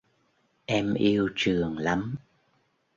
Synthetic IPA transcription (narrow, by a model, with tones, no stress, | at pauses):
ʔɛ˧mʔi˧əwt͡ɕɨ˨˩əŋla˨˦m